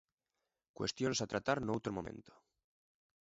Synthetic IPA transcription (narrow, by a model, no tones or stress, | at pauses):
kwe̞̰st̪jonsat̪ɾat̪aɾnowt̪ɾomo̞mḛ̃nt̪o̥